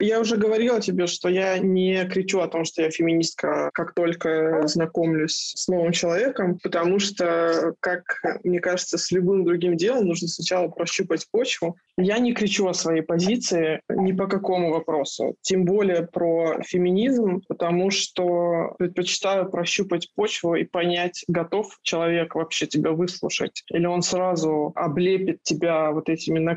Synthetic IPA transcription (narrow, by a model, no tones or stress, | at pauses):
jaʊʐɛɡəvɐɾʲilˠtʲɪbʲeʂt̪o̞janʲɪkɾʲɪt͡ɕuɐt̪o̞mʂt̪o̞jafʲɪmʲɪnʲist̪̚kəkakt̪o̞lʲkəznɐko̞mlʲʊsʲsno̞vɨmt͡ɕɪlˠɐvʲe̞kəmpət̪ɐmuʂt̪okakmnʲe̞kaʐɨt̪səsʲlʲʊbɨmd̪ɾʊɡʲimdʲe̞lˠəmnuʐnəsnɐt͡ɕalˠəpɾɐɕːupətʲpo̞t͡ɕvʊ | janʲɪkɾʲɪt͡ɕuɐsvɐjejpɐzʲit̪sɨɪnʲɪpəkɐko̞mʊvɐpɾo̞sʊ̰tʲembo̞lʲɪjəpɾofʲɪmʲɪnʲizmpət̪ɐmuʂt̪opɾʲɪt̪̚pət͡ɕɪ̥t̪ajʊpɾɐɕːupətʲpo̞t͡ɕvʊḭpɐnʲætʲɡɐt̪o̞ft͡ɕɪlˠɐvʲe̞kvɐpɕːe̞tʲɪbʲavɨslˠʊ̰ʂə̰tʲilʲɪo̞nsɾazʊɐblʲepʲɪt̪̚tʲːɪbʲavo̞t̪ɛtʲɪmʲɪnːɐ